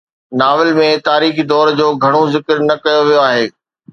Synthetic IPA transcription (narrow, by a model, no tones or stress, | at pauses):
naːʋɪlmẽt̪aːɾiːxid̪ɔːɾd͡ʑoːɡʱɐɽ̃ozɪkɾnɐkɐjoʋijoaːɦeː